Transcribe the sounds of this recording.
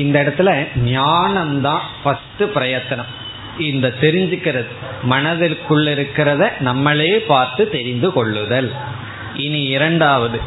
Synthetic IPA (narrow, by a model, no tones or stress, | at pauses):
ɪnd̪ɐɪɽɐt̪ːɪlɐɲjaːnɐmt̪ãːfɐsʈɯpɪɾɐjɐt̪ːɐnɐm | ɪnd̪ɐt̪ːɛɾɪɲd͡ʒɯkːɪɾɐðɯ | mɐnɐðɪlkːɯɭːɪɾɯkːɪɾɐðɐnɐmːɐɭeːpaːɾt̪ɯt̪ɛɾɪnd̪ɯkɔɭːɯðɐl | ʔɪniɪɾɐɳɖaːʋɐðɯ